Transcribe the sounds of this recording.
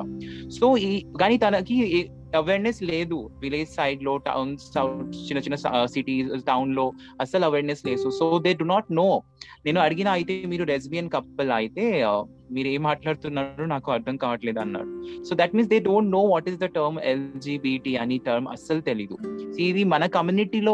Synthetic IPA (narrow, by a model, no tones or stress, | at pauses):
soːikaːniːt̪ɐnɐki | ɐʋeːɾnesleːd̪uʋileːd͡ʒsɐjɖloːʈɐ̰wnsɐwt͡ʃinːɐt͡ʃinːɐssiʈiːʈɐwnloː | ɐsɐlɐʋeːɾnesleːsusoːd̪eːɖunaːʈnoːneːnuɐɽiɡinaːjit̪emiːɾuɾes̬bijɐnkɐppːɐlaːjit̪eː | miːɾueːmːaːʈlaːɽt̪unːaːɾunaːkuɐɾt̪ʰɐmkaːʈleːd̪ɐnːa̰ːɽusoːd̪æʈmiːnsd̪eːɖoːɳʈnoːʋɔːʈizd̪ɐʈɐɾmeld͡ʒiːbiːʈiɐniʈɐɾmɐ̰sɐlut̪elid̪usiːʋimɐnɐkɐmjuːniʈiloː